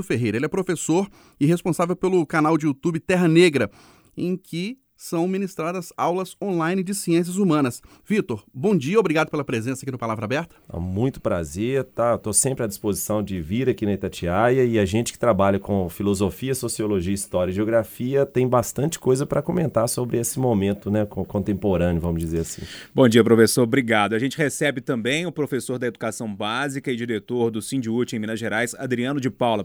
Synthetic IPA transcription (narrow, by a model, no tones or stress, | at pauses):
ʊfeɦejɾɐelɛpɾofesoɾ | ɪɦespõsavewpelʊkanawd͡ʒɪut̪ubɪt̪ɛɦɐneɡɾɐ | ẽj̃kʰɪ | sɐ̃w̃minist̪ɾad̪ɐzawlɐzõlajnɪd͡ʒɪsiẽs̬jɐzumɐ̃nɐs | v̥it̪oɾbõd͡ʒiɐobɾiɡad̪ʊpelɐpɾezẽsɐkinɐpalavɾɐabɛɾt̪ɐ̥a̰mũj̃t̪ʊ̥pɾa̰zeɾt̪at̪osẽmpɾɪɐd͡ʒispozisɐ̃w̃d͡ʒɪviɾɐkinɐit̪at͡ʃiajɐɪɐʒẽnt͡ʃɪ̥kɪ̥t̪ɾabaʎɐkõfilozofiɐsosioloʒiɐist̪ɔɾjɐʒeoɡɾafiɐt̪ẽj̃bast̪ɐ̃nt͡ʃɪ̥kojzɐpɾɐkõmẽnt̪aɾsobɾɪesɪmomẽnt̪ʊnɛkõkõnt̪ẽmpoɾɐ̃njʊvɐ̃mʊzd͡ʒizeɾasḭ̃bõd͡ʒiɐpɾofesoɾbɾiɡad̪ʊɐʒẽnt͡ʃɪhesɛbɪt̪ɐ̃mbẽj̃ʊpɾofesoɾd̪ɐed̪ukasɐ̃w̃bazikɐɪd͡ʒiɾet̪oɾd̪ʊsĩd͡ʒɪut͡ʃɪẽj̃mĩnɐʒeɾajsad̪ɾiɐ̃nʊd͡ʒɪpawlɐ